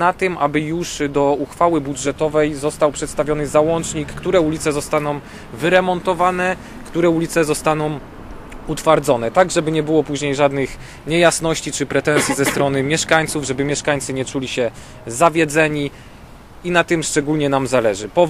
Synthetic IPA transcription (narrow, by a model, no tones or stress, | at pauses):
nat̪ɘmʔabɘjuʂd̪ɔuxfawɘbudʐɛt̪ɔvɛjzɔst̪awpʂɛt̪st̪avʲjɔnɘzawɔnt͡ʂɲikːt̪uɾɛulʲit̪sɛzɔst̪anɔ̃w̃ | vɘɾɛmɔnt̪ɔvanɛ | kt̪uɾɛulʲit̪sɛzɔst̪anɔ̃w̃ | ut̪faɾd̪zɔnɛt̪aɡʐɛbɘɲɛbɘwɔpuʑɲejʐad̪nɘx | ɲɛjasnɔɕt͡ɕit͡ʂɘpɾɛt̪ɛ̃nsʲjizɛst̪ɾɔnɘmʲjɛʂkaɲt̪suvʐɛbɘmʲjɛʂkaɲt̪sɘɲɛt͡ʂulʲiɕɛ | zavʲjɛd̪zɛɲi | inat̪ɘmʂt͡ʂɛɡulɲɛnamzalɛʐɘpɔ